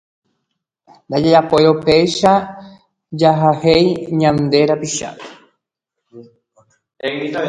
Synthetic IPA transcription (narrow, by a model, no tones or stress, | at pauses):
nd̪ad͡ʒeɾapoeɾopejʃa | d͡ʒaɦahejɲãnd̪e̞ɾapiʃa̰e